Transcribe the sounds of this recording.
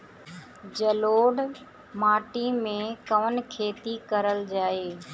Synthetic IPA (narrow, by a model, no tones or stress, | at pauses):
d͡ʒəloːɖ | maːʈimẽkəʋənkʰeːt̪ikəɾəld͡ʒaːeː